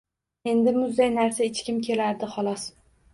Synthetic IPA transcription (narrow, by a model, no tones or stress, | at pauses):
e̞nd̪ɪmʊzːajnaɾsaɪt͡ʃkʲɪmkʲʰe̞laɾd̪ɪχɒlˠɒs